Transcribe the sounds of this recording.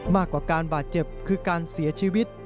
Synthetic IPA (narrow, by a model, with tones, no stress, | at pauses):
maː˥˩kwaː˨˩kaː˧nbaː˨˩t̪̚t͡ɕe˨˩p̚kʰɯː˧kaː˧nsi˩˦ɐt͡ɕʰiː˧wi˦˥t̪̚